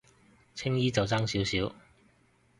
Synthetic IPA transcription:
t͡sʰɪ˥ŋjiː˥t͡sɐ˨wt͡saː˥ŋsi˨˥wsiː˨˥w

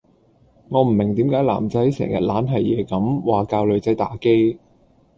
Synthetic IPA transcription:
ŋɔː˨˧m̩˨˩mɪ˨˩ŋt̪iː˨˥mkaː˨˥jla̰ː˨˩mt͡sɐ˨˥jsɛ̰ː˨˩ŋjɐ˨t̚laː˨˥nɦɐ˨jjɛː˨˧kɐ˨˥mwaː˨˩kaː˧wlɵ˨˧ɥt͡sɐ˨˥jt̪aː˨˥ke˥j

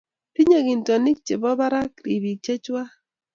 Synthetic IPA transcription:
pi˦ɲa˨ɡɪ˨ntɔ˨nɪ˦k̚t͡ʃe˨bɔ˦ba˦ɾa˦kɾi˨bi˨t͡ʃe˦t͡ʃwa˦

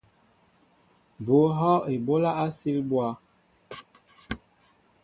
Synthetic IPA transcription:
bo˨˦ɦɔ˦e˨bo˦la˦a˦si˦lbwa˦

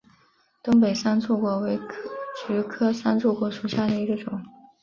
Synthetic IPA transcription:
t̪ʊ˥ŋpe˨˩ɪʂa˥nt͡sʰu˥˩kwɔ˧˥we˧˥ɪt͡ɕy˧˥kʰɤ˥ʂa˥nt͡sʰu˥˩kwɔ˧˥ʂu˨˩ɕja˥˩d̪ə˩i˧˥ɡə˧ʈ͡ʂʊ˨˩˦ŋ

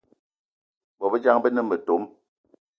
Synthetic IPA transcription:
bɔ˨bə˦d͡ʒa˦ŋbə˦nə˦mbə˨to˨˦m

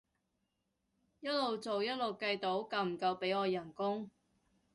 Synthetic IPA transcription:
jɐ˥t̚lo˨˩wt͡so˨wjɐ˥t̚lo˨wkɐ˧jt̪o˨˥wkɐ˨˧wm̩˨˩kɐ˧wpe˨˥jɔː˨˧jɐ˨˩nkʊ˥ŋ

